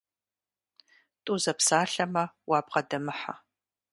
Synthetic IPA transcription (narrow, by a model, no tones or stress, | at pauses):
tʼuzɐpsaːɬɐmɐwaːbqɐdɐmɨħa̰